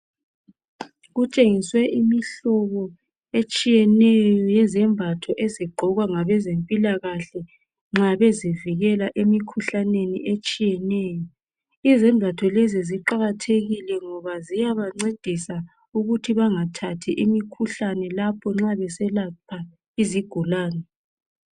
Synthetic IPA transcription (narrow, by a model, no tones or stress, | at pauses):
ɣut͡ʃʼeŋiswɛʔimiɬɔβɔ | et͡ʃʼijɛnɛjjɔjɛzɛmbʱatʰɔʔeziɡ͡ǃʱɔɣwaŋaβɛzempʼilaɣaɬɛ | ŋ͡ǁaβeziviɣɛlaʔemikʰuɬanenḭʔet͡ʃʼijɛnɛːjɔ | izɛmbʱatʰɔlɛziziǃaɣatʰeɣilɛŋɔβazijaβaŋ͡ǀed̥ʱisa | uɣutʰiβaŋatʰatʰiʔimikʰuɬanɛlapʰɔŋ͡ǁaβɛsɛlapʰa | iziɡ̥ʱulaːnɛ